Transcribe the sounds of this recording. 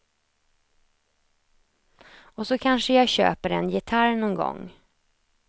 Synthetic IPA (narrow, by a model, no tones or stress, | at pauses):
ɔsɔkʰanʂəjaɕø̰ːpəɾɛ̰njɪt̪ʰaɾnɔŋɡɔ̰ŋː